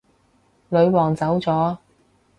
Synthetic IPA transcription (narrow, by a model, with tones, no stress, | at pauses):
lɵ˨˧ɥwɔː˨˩ŋt͡sɐ˨˥wt͡sɔː˨˥